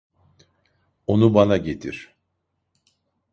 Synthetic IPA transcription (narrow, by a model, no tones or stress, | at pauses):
o̞nubanaɟet̪ʰḭɾ̥